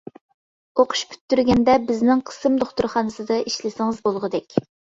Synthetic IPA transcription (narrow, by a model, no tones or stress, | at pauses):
oqʰʊ̥ʃpʰy̥t̪ːyɾɡʲɛnd̪ɛbɪznɪŋqʰə̥sɨmd̪oχt̪uɾχɑːnɨsɨd̪ɑʔiʃlɪsɪŋɨzbolˠʁəd̪ɛkʲ